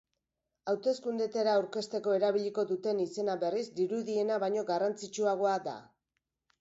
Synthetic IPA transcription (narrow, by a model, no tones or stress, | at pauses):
awt̪e̞skund̪et̪eɾaːwɾke̞st̪e̞ko̞e̞ɾaβ̞iʎiko̞ðut̪e̞nise̞naβe̞rizd̪iɾuðie̞naβaɲo̞ɡarant͡sit͡ʃuaɣ̞o̞ad̪a̰